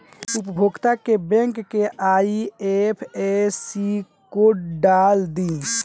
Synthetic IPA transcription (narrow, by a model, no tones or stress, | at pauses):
upəbʱoɡt̪akebɛ̃ŋkːeʔaiepʰesi | koɖald̪i